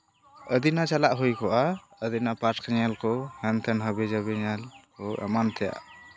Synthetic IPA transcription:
əd̪inat͡ʃalaʔɦujkɔʔaəd̪inapaʈkʰɲalkɔhɛnt̪ʰɛnɦəbɛd͡ʒabɛɲalkɔɛ̰mant̪ʰɛja̰ʔ

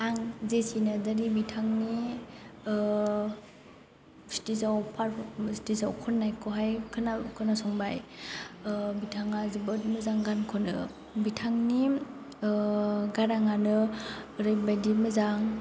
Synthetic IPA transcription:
aŋzesinɯdaɾibitʰaŋni | si̥tisawpʰaɾsi̥tisawkʰɔnːajkʰɔɦajkʰɯnakʰɯnasɔŋbaj | bitʰaŋazɯbɯt̚mɯzaŋɡankʰɔnɯ | bitʰaŋni | ɡaɾaŋanɯɾɯjbajdimɯzaŋ

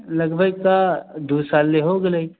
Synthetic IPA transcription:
lɐɡbʱəɡ̚t̪ad̪uːsaːlːeɦoɡəlei

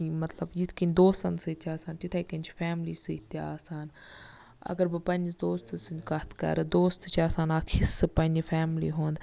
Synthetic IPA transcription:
imɐt̪ləbjit̪kind̪oːst̪ɐnst̪aːsaːnt͡ʃit̪ʰekɐnt͡ʃʰfʰɛːmliːsɨt̪eaːsaːn | ɐ̰ɡəɾbəpɐ̃nd͡ʒd̪oːst̪ɨsɨnd͡ʒkɐt̪kɐ̰ɾd̪oːst̪t͡ʃaːsaːnaːkʰisɨpɐnʲd͡ʒpʰɛːmlḭːɦõːnd̪

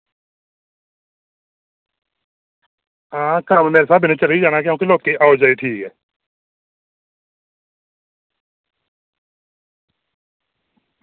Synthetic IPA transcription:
ãːkaːmemeːɾesaːbʱɪnet͡ʃəleid͡ʒaːnakeõkiloːk̪ːeʔaːod͡ʒaːeʈʰiːkɦɛː

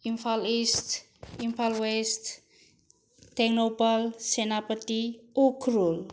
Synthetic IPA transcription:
infalist̪ | infalwɛst̪ | t̪ɛknobalsenapət̪iukɾul

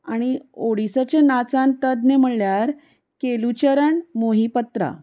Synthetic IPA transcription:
aɽ̃ioɽisat͡ɕenat͡sãnt̪əd̪nem̤əɽljaɾ | kelut͡ɕəɾəɳmoɦipət̪ɾa̰

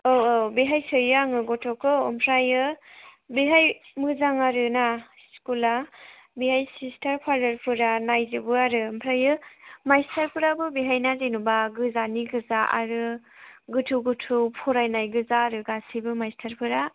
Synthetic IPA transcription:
oobiɦajsɯjɯaŋɯɡɔtʰokɯːmpʰɾajɯ | biɦajmɯzaŋaɾɯna | skula | bihajsistʰaɾpʰaɾdaɾpʰɯɾanajzɯbɯaɾɯmpʰɾajɯmajstʰaɾpʰɯɾabɯbiɦajnazenubaɡɯzaniɡɯzaʔa̰ɾɯ | ɡɯtʰuɡɯtʰupʰɔɾajnajɡɯzaːɾɯɡasibɯmajstʰaɾpʰɯɾa

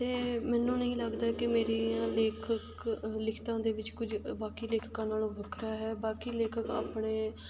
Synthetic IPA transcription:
t̪eːmɛ̃ːnːũːnəĩːləɡd̪aːkɪmeːɾiãːleːkʰək | lɪkʰt̪ãːd̪eːʋɪt͡ʃkʊd͡ʒbaːkiːleːkʰkãːnaːlõːbʱəkʰɾaːɦɛːbaːkiːleːkʰəka̰ːpɳeː

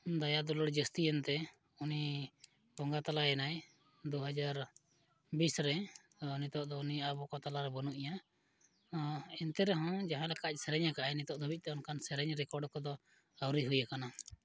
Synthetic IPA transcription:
d̪ajad̪ɔlɔɽd͡ʒəst̪iənt̪ɛ | uni | bɔŋɡat̪alaɛnaj | d̪uɦad͡ʒaɾ | bisɾɛ | unit̪ɔʔd̪ɔuniabɔkɔt̪alaɾɛbɔnuʔija | ɔɛnt̪ɛɾɛɦɔ̃d͡ʒaɦãlɛkac̚sɛɾɛɲakaʔainit̪ɔʔd̪ʱubic̚ˀt̪ɛɔnkansɛɾɛɲɾɛkɔɾɖkɔd̪ɔ | awɾiɦujakana

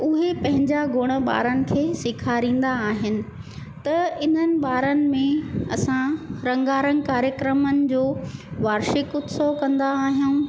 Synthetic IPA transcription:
ʊɦepɐ̃ɦɪ̃ɲd͡ʑaɡʱʊɽ̃ə̆ɓa̰ːɾənɪ̆kʰeːsɪkʰaːɾĩːn̆d̪aːɦɪnɪ̆ | t̪ɐɪn̤ənɪ̆ɓaːɾənɪ̆mẽɐsãɾɐ̃ŋɡaːɾə̃ŋɡkaːɾjəkɾəmənɪ̆d͡ʑoːʋaːɾʃɪkʊt̪sokɐ̃nd̪aːɦijuũ

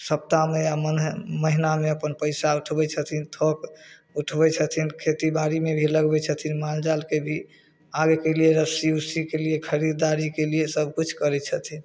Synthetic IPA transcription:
səp̚t̪ameaənməɦinameəpənpəɪsauʈʰbɛt͡ʃʰət̪ʰint̪ʰok | uʈʰbɛt͡ʃʰət̪ʰinkʰet̪ibaɾimebʱiləɡbɛt͡ʃʰət̪ʰinmald͡ʒalkebʱi | aɡekelijeɾəsiusikelijekʰəɾid̪aɾikeliesəbʱkut͡ʃʰkəɾɛt͡ʃʰət̪ʰin

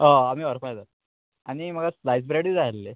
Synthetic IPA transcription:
əamiːʋəɾfajd͡zat̪ | aɽ̃im̤əɡaslajsbɾeɽid͡zaəlːe

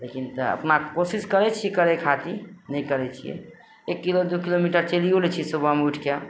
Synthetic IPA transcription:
lekint̪ɔə̰pnakkosiskəɾɛt͡ʃʰiɛkəɾɛkʰat̪inəjkəɾɛt͡ʃʰḭjɛ̰ | ekːilod̪ukilomiʈəɾt͡ʃeliolɛt͡ʃʰisubʱameuʈʰke

